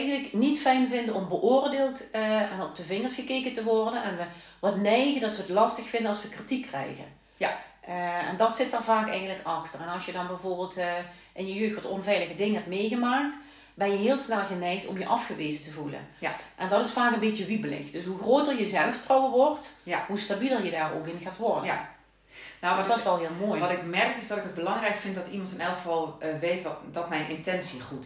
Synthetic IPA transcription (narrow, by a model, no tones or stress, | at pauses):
ɛɣəndləknitfɛjnvɪndəɔmbəʔʊːrdeːlˠtɛnɔp̚d̥əvɪŋərsxəkeːkəntəʋɔrdənɛnʋə | ʋɑtnɛjɣəndɑtʋəətlɑstəxfɪndənɑlˠsʋəkritikːrɛ̰jɣə̰ | ɛ̰ndɑtsɪtarvaːkɛjɣəntləkɑxtərɛnɑlˠsjədɑnbɛjvoːrbɪːlˠt | ʔɪnjəjøːxtʋɑtɔnvɛjləɣədɪŋɦɛpmejɣəmaːk̚t | bɛnjəɦɪːlˠsnɛlˠɣənɛjxtɔmjəʔɑfxəʋeːzətəvulə̰nʔɛndɑtɪsfaːkənbɪtəʋibəlɪ̰xtd̥ɵsɦuxroːt̚dərjəzɛlˠəftrowəʋɔɹrtɦustabilˠəɹjədaːro̰ːkɪnɣaːtʋɔrdə | nosdɔsʋɛlˠɦɪːlˠmoːjɑtɪkmɛrkɪzdɑtɪkəd̚bəlɑŋrɛjkfɪntdɑtimɑntɪnɛlˠəkvɑlˠʋejtdɑtmɛjnʔɪntɛnsiχut